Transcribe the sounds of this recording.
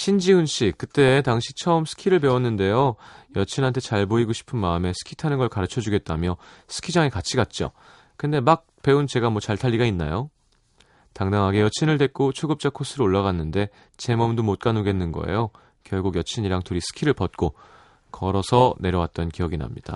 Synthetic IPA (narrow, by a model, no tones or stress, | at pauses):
ɕʰind͡ʑiunɕ͈ik̚k͈ɯt͈e̞taŋɕʰit͡ɕʰʌɯmsʰɯ̥kʰiɾɯɭpe̞wʌnːɯnde̞jojʌt͡ɕʰinɦantʰe̞t͡ɕaɭboiɡoɕʰi̥pʰɯnmaɯme̞sʰɯ̥kʰi̥tʰanɯnɡʌɭkaɾɯt͡ɕʰʌd͡ʑuɡe̞t̚t͈amjʌsʰɯ̥kʰid͡ʑaŋekat͡ɕʰiɡat̚t͡ɕ͈o̰ | kɯnde̞mak̚pe̞unt͡ɕe̞ɡamwʌt͡ɕaɭtʰaʎːiɡainːa̰jo | taŋdaŋɦaɡe̞jʌt͡ɕʰinɯɭde̞t̚k͈ot͡ɕʰoɡɯp̚t͡ɕ͈akʰos͈ʰɯɾooɭːaɣanːɯnde̞ | t͡ɕe̞mʌmdomot̚k͈anoɡe̞nːɯnɡʌ̰ḛjo | kjʌɭɡuɡjʌt͡ɕʰiɲiɾaŋtuɾisʰɯ̥kʰiɾɯɭpʌt̚k͈o | kʌɾʌsʰʌne̞ɾjʌwat̚t͈ʌnkijʌɡina̰mɲid̥a̰